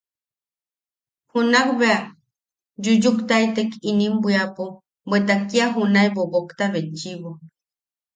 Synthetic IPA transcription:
hunakbea | d͡ʒud͡ʒukt̪aet̪ekinimbʷiapu | bet̪akiaɦunaebobokt̪aβet͡ʃiβo

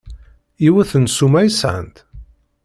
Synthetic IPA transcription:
iwæθənsumæjsʕə̰nt̪

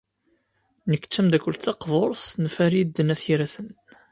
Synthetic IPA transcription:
nəkːt͡sːæmd̪ækʷːəlt̪θɑqvoɾˤθnfæɾid̪ːənæθiɾæθən

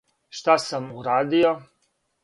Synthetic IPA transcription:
ʃt̪asamuɾaːd̪io

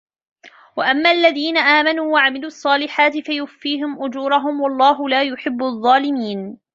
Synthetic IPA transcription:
waʔamːaːʔalːaðiːnaʔaːmanuːwaʕamɪluːʔɑsˤːɑːlɪħaːt̪ɪfajʊfiːɦɪmʔʊd͡ʒuːɾˤɑɦʊmwɑlˤːɑːɦʊlaːjʊħɪbːʊðˤːɑːlɪmiːn

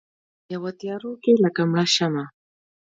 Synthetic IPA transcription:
jawat̪ijaɾukelakamaʃama

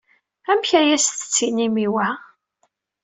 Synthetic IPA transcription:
æmçæjæsθə̥t͡sːinimiwæ

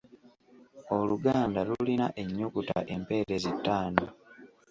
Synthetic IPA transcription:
o̞luɡaːndalulina̰ʔe̞ɲːokuta̰ʔe̞mpe̞ːɾezitːaːno

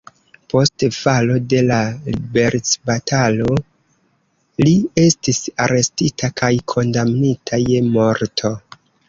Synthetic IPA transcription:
po̞stfalo̞de̞lalibe̞ɾt͡sbatʰalo̞ | lie̞stisaɾe̞stitʰakʰajkʰo̞ndamnitʰaje̞mo̞ɾtʰo̞

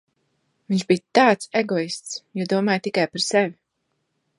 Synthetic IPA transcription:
viɲʒbijt̪aːt̪sɛɡɔist̪sjud̪uɔmaːjt̪ikajpaɾsɛvʲi

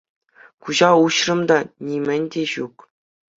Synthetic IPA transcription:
kuʑɑuɕrɤ̆md̪ɑnʲimʲɘ̆nʲdʲeʑuk

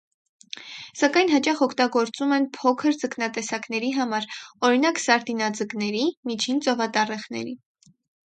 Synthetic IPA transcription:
sɑkɑjnɦɑt͡ʃɑχɔkʰt̪ɑɡɔɾt͡sumɛnpʰɔkʰəɾt͡səknɑt̪ɛsɑkn̪ɛɾiɦɑmɑɾɔɾinɑksɑɾt̪inɑd͡zəknɛɾimit͡ʃʰint͡sɔvɑt̪ɑrɛχnɛ̰ɾḭ

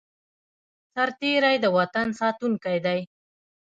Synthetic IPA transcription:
saɾt̪eɾajd̪əwat̪ansɑt̪uŋkajd̪aj

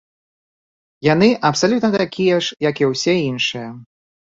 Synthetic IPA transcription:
janɨʔɐpsalʲut̪nɐt̪akʲʰijɛʂjɐkiwsʲɛinʂɨjɐ

